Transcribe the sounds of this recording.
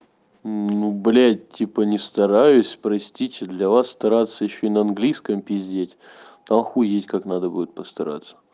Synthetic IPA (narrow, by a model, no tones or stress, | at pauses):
nublʲætʲːipənʲɪst̪ɐɾajʊsʲpɾɐsʲtʲitʲɪd̪lʲɐvasːt̪ɐɾat̪sːəjɪɕːoɪnəɐnɡlʲiskəmpʲɪzʲdʲetʲ | t̪amxujetʲkaknad̪əbudʲɪt̪̚pəst̪ɐɾa̰t̪sːə̥